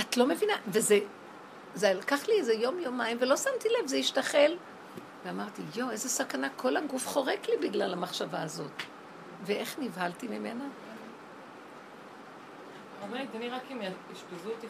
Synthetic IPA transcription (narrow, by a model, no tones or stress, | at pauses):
atlo̞me̞vinaveze | zelkaχliezejo̞mjomaimvelo̞samt̪ilevzeiʃtaχe̞l | veamaʁt̪ijoe̞zesakanakʰo̞lhaɡufχo̞ʁeklibiɡlalhamaχʃavaːzo̞t | veʔe̞χnivhaltimimena | omeʁit̪aniʁakimiʃpezut̪i